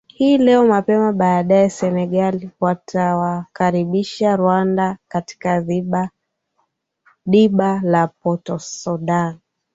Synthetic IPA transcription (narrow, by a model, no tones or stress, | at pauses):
hiːlɛɔmapɛmaɓaːɗaɛsɛnɛɠaliwatʰawakaɾiɓiʃaɾwandakati̥kai | ɗiɓalapɔtɔsɔɗan